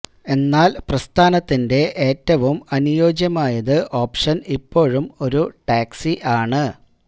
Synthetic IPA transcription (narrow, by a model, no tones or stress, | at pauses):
e̞nːaːlprɐst̪ʰaːnɐt̪ːinde̞ʔe̞ːtːɐʋumɐnujo̞ːd͡ʑjɐmaːjɐðɨʔo̞ːpʂɐnipːo̞ːɻumo̞ɾuʈaːksiʔaːɳɨ